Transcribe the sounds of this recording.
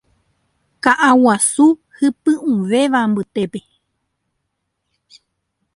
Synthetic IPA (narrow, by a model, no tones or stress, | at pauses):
kaʔawasuhɨpɨ̃ũʋe̞ʋambɨt̪e̞pe